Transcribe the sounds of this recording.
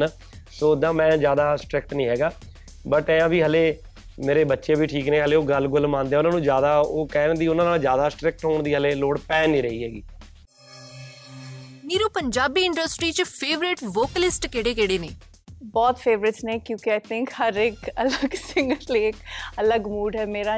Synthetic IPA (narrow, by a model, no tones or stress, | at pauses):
nː | soːd̪ãːmɛ̃ːd͡ʒjaːd̪aːsʈɾɪk̚ʈnĩːɦɛːɡaː | bəʈɛ̃ãːbiːɦəleː | meːɾeːbətːʃẽːbiːʈʰiːkneːɦəleːoːɡəlɡʊlmãːnd̪eãːʊnãːnũːd͡ʒjaːd̪aːoːkɛːɾə̃nd̪iːʊnãːnaːld͡ʒjaːd̪aːsʈɾɪk̚ʈɦoːɳd̪iːɦəleːloːɽpɛːnːĩːɾəɦiːɦɛːɡiː | niːɾoːpəɲd͡ʒaːbiːɪ̃ɳɖəsʈɾiːt͡ʃpʰeːʋɾɪʈʋoːkəlɪsʈkɪɽeːkɪɽeːneː | bɔːt̪fʰeːʋɾɪʈsnẽːkjõːkiaːɪt̪ʰɪ̃ŋkhəɾɪkələɡsɪŋɡəɾliːkələɡmuːɖɦɛːmeːɾaː